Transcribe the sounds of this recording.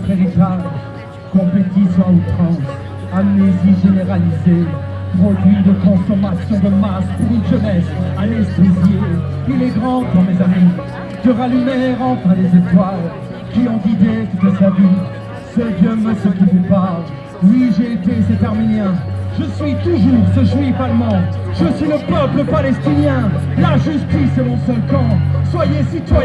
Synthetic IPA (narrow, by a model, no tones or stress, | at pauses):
peʁit̪aʒ | kɔ̃plet̪isɔ̃ut̪χɑ̃s | amneziʒeneʁalizepʁodid̪əkɔ̃sɔmasjɔ̃d̪əmaspuʁinʒənɛsanɛst̪eziilɛɡʁɑ̃k̪ɑ̃mezami | d̪̥əʁalymɛʁɑ̃fɛ̃d̪ezet̪wal | kʲiɔ̃ɡ̪id̪et̪ut̪savi | səd̪jəməsɔkizepa | wiʒeːt̪eset̪aʁminjɛ̃ʒəsɥit̪uʒuʁsəʒwifalmɑ̃ | ʒ̥əsɥiləpœpləpalɛst̪injɛ̃laʒyst̪isemɔ̃sœlkɑ̃swajesit̪wa